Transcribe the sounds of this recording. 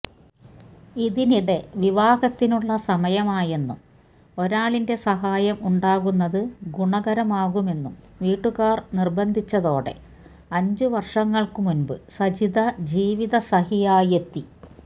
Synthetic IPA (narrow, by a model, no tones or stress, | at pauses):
iðiniɽe̞ʋiʋaːɡɐt̪ːinuɭːɐsɐmɐjɐmaːje̞nːum | o̞ɾaːɭinde̞sɐɦaːjɐmuɳɖaːɣunːɐðɨɡuɳɐɣɐɾɐmaːɣume̞nːum | ʋiːʈːuɣaːrnirbɐnd̪ʱit͡ɕːɐðo̞ːɽe̞̰ | ɐɲd͡ʑɨʋɐrʂɐŋːɐɭkɨmunbɨsɐd͡ʑiðɐd͡ʑiːʋiðɐsɐɦijaːjɐt̪ːi